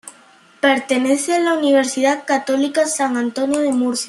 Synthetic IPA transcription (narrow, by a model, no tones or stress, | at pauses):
peɾt̪eneθealauniβ̞eɾsiðaðkat̪olikasaŋãnt̪onjoðemuɾθja